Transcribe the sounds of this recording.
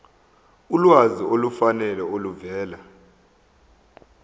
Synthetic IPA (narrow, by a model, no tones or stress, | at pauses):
ulwaziolufanɛlɛoluvɛːla